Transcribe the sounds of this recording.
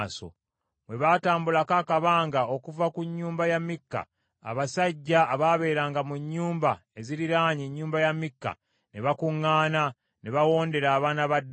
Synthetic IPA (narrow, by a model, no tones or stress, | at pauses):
so̰ | mweβataːmbulakaːkaβaːŋɡao̞kuvakuɲːuːmbajamːikːa̰ː | βasaɟːaːβaːβe̞ːɾaːŋɡamuɲːuːmbae̞ziɾiɾaːɲeɲːuːmbajamːikːa̰ | neβakuŋːaːna | neβawo̞ːnde̞ɾaːβaːnaβadː